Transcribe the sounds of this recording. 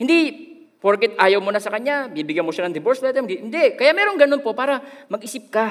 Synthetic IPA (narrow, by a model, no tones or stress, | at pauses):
hɪnd̪i | poɾkɛt̪̚ʔaːjɐwmonɐsɐkɐɲɲabɪnibɪɡanmoʃanɐŋd̪ɪboɾslɛt̪ɛmɡɪnd̪ɛkɐjaʔmɛɾoŋɡɐnonpopaːɾɐmɐɡʔɪsɪp̚ka